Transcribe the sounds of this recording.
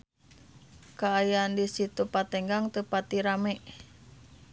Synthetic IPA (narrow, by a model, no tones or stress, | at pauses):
kaːjaandisit̪upat̪ɛŋɡaŋt̪əpat̪iɾamɛʔ